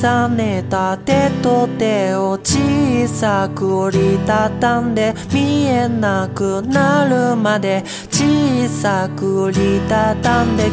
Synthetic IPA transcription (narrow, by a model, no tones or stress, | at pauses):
sanet̪at̪e̞t̪o̞t̪e̞ot͡ɕisakɯ̟ɾʲit̪at̪ːãnd̪e̞mʲie̞nakɯ̟naɾɯ̟mad̪e̞ | t͡ɕisakɯ̟ɾʲit̪at̪ãnd̪e̞